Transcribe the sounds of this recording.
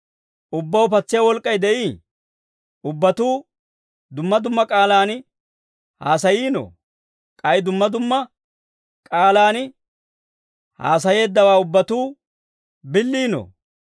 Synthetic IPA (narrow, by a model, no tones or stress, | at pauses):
ʔʊbːɐwʊpɐt͡sːɪjawɔlkʼːɐjd̪ɛʔiː | ʊbːɐt̪uː | d̪ʊmːɐd̪ʊmːɐkʼaːlaːn | ha̰ːsɐjiːnɔ̰ | kʼɐjd̪ʊmːɐd̪ʊmːɐ | kʼaːlaːn | ha̰ːs̬ɐje̞ːd̪ːɐwaːʊbːɐt̪uː | bɪlːiːnɔ̰